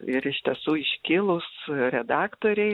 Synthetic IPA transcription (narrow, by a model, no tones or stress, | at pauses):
ɪɾɪʃʲt̪ʲɛsuːɪʃʲkʲɪlˠʊsɾʲɛd̪ɑːkt̪oːɾʲɛɪ